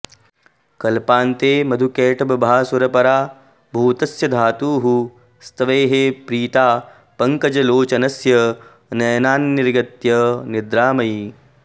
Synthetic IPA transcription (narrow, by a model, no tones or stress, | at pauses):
kɐlpaːnt̪eːmɐd̪ʱukeːʈɐbɐbʱaːsuɾɐpɐɾaː | bʱuːt̪ɐsjɐd̪ʱaːt̪uːɦu | st̪ɐʋeːɦeːpɾiːt̪aː | pɐŋkɐd͡ʒɐloːt͡ʃɐnɐsjɐ | nɐːnaːnːiɾɡɐt̪jɐnid̪ɾaːmɐj